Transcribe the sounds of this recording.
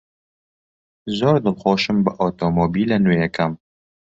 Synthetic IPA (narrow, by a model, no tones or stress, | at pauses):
zoːɾd̪ɨlxoːʃɨmbɨʔɔːt̪omoːbiːlɐnujɛkʰɐm